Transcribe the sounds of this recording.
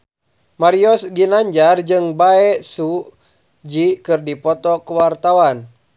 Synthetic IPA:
maɾiɔsɡinaɲd͡ʒard͡ʒɨŋbaɛsu | d͡ʒikɨrdipɔt̪ɔkuwart̪awan

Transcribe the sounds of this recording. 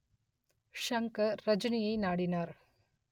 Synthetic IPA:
ʂɐŋkɐɾɐd͡ʒunijɐjnaːɽinaːɾ

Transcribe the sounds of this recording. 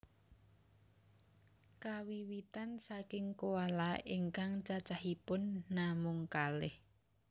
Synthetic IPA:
kawiwit̪ansakɪŋkowalaiŋkaŋt͡ʃat͡ʃaɦipʊnːamʊŋkalɪh

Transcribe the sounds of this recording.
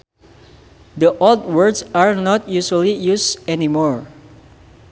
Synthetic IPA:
d̪əʔɔld̪̚wəɹdsaɹnɔt̪̚jusualijusɛnimɔɹ

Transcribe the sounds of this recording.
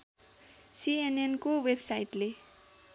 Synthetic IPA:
sienenkowebsajʈle

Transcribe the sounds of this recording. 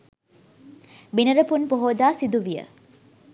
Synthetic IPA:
binɐɾəpunpoɦoːd̪aːsid̪uʋijə̰

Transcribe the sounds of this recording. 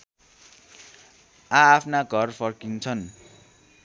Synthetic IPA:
ãːpʰnaɡʱʌrpʰʌrkint͡sʰʌn

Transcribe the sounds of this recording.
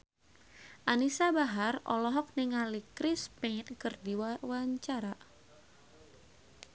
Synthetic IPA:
ʔanisabaɦarʔɔ̰lɔɦɔk̚niŋalikɾispenkɨrdiwwaɲt͡ʃaɾa

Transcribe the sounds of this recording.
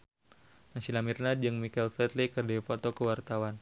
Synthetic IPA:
nasilamirnad̪̚d͡ʒɨŋmikɛlfɾɛt̪likərdɛipɔt̪ɔkəwart̪awan

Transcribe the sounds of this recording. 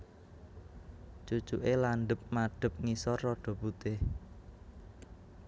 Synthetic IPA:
t͡ʃu̥t͡ʃuʔelanɖəp̚maɖ̥ə̤p̚ŋisɔrːɔɖ̥ɔ̤but̪ɪh

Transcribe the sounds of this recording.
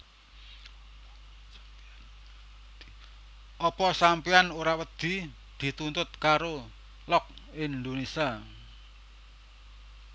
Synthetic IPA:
ʔɔpɔsampianoɾawəd̪̥i̤ | d̪̥i̤t̪unt̪ʊt̪̚kaɾo | lɔk̚ɪnd̪onisia

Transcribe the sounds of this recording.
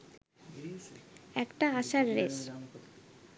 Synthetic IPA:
ɛkʈaaʃaɾɾes

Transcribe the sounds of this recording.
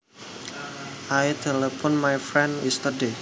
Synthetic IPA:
ʔajt̪ʰɛlɛpɔnmajfɾɛ̃nist̪əde

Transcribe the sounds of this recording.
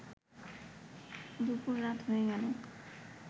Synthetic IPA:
d̪upuɾːat̪ɦoeɡɛlo

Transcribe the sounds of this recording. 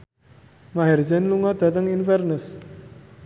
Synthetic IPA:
maɦɛrd͡ʒɛnluŋɔd̪̥a̤t̪əŋinfɛrnəs

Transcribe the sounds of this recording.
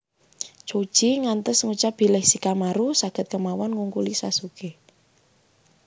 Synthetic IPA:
t͡ʃod̥ʒ̥iŋant̪əsŋut͡ʃab̥i̤lɪhsikamaɾusaɡ̥ə̤t̪̚kəmawɔnŋuŋkulisa̰suke

